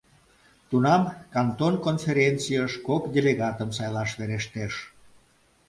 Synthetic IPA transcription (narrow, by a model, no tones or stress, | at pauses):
t̪unɑmkɑnt̪onkonfeɾʲent͡sijəʃkokd̪ʲeleɣɑt̪əmsɑjlɑʃβeɾeʃt̪eʃ